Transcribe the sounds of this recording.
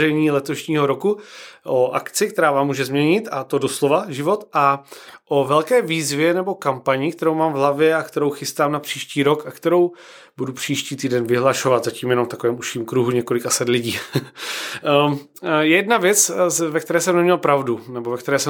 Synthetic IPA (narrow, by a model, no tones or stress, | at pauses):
ɛjɲiːlɛt̪o̞ʃɲiːɦo̞ɾo̞kuʔoʔakt͡sɪk̚t̪ɛɾaːvaːmːuːʒɛzmɲɛɲɪt̪at̪o̞doslovaʒɪvo̞t̪ʔaʔovɛlkɛːviːzvjɛnɛbo̞kampaɲɪkt̪ɛɾowmaːmvɦlavjɛakt̪ɛɾo̞wxɪst̪aːmnapr̥iːʃciːɾo̞kakt̪ɛɾo̞w | budupr̝̥iːʃciːt̪iːdɛnvɪɦlaʃovat̪zaciːmjɛnomft̪akovɛːmuʃiːmkɾuɦuɲɛko̞lɪkasɛt̪lɪɟiː | jɛjɛdnavjɛt͡svɛk̚t̪ɛɾɛːsɛmnɛmɲɛlpɾavdunɛbo̞vɛk̚t̪ɛɾɛːsɛ